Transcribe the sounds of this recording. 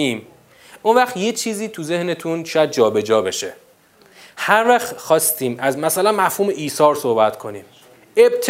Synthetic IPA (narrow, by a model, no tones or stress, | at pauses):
iːm | ʔunvæxt̪jet͡ʃʰiːziːt̪ʰuze̞hne̞t̪ʰunʃɒjæd̪̚d͡ʒɒːbe̞d͡ʒɒːbe̞ʃe̞ | hæɾvæxxɒːst̪ʰiːmæzmæsælænmæfhuːme̞ʔiːsɒːɾso̞hbæt̪ʰkʰo̞nḭːm | eb̚t̪ʰ